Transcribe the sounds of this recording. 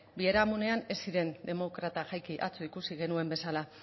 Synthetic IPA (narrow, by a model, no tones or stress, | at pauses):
bieɾamune̞ane̞siɾe̞nd̪e̞mo̞kɾat̪aʝajkiʔa̰t͡suikusiɣe̞nue̞mbe̞sala